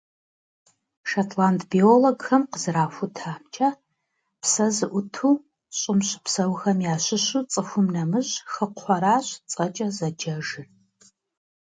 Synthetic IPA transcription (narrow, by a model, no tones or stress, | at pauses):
ʃatʰlaːntʰbioːloɡxɐmqəzɨɾaːxʷʊtʰaːmt͡ʃʰʼɐ | psɐzɨʔʷʊtʰuː | ɕʼɪmɕɪpsɐwxɐmjaːɕɪɕut͡sʼɨxʷʊmnɐmɨɕxəqʰʷɔɾaːɕt͡sʼɐt͡ʃʼɐzɐd͡ʒɐʒɨr